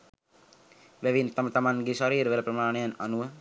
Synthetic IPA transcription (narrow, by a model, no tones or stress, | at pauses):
ʋæʋint̪amət̪amaŋɡeʃaɾiːɾəʋeləpɾəmaːnejananuʋə